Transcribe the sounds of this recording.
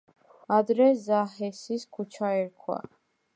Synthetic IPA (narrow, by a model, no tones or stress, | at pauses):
ad̪ɾɛzaɦɛsiskʰut͡ʃʰaɛɾkʰwa̰